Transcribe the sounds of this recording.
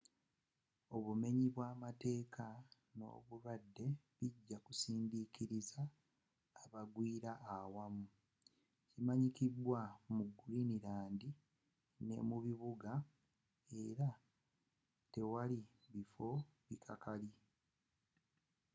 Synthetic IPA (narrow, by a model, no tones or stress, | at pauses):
o̞βume̞ɲiβwaːmate̞ːkʰa | no̞̰ːβuɾadːe̞βiɟːakusiːndikiɾizaː | βaɡwiːɾaʔːwamu | cimaɲikidwamuɡuliniɾaːndi | ne̞̰muβiβuɡa | e̞ɾa | te̞wali | βifo̞βikʰakali